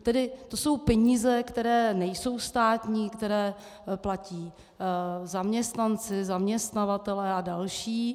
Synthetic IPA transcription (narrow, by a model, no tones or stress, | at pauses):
t̪ɛdɪt̪o̞so̞wpɛɲiːzɛkt̪ɛɾɛːnɛjso̞wst̪aːt̪ɲiːkt̪ɛɾɛː | placiː | zamɲɛst̪nant͡sɪzamɲɛst̪navat̪ɛlɛːadalʃiː